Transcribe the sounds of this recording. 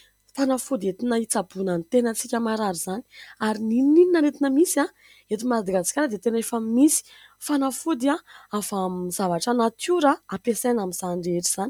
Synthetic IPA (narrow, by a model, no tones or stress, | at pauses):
fanafud̪et̪inait͡sabunənt̪enət͡sikʲəmaɾaɾizani̥aɾinilinininaɾet̪inəmisia | et̪imad̪iɡat͡si̥kʲaɾad̪et̪enefəmisi̥ | fanafud̪iaafamzavaʈ͡ʂanat̪juɾaapesanamiz̥anɖ͡ʐeɾiz̥ani